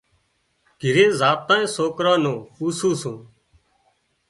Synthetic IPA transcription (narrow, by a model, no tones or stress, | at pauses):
ɡ̥ʱɪɾẽːzaːt̪ãːĩːsoːkɾãːnõːuːsũːsũː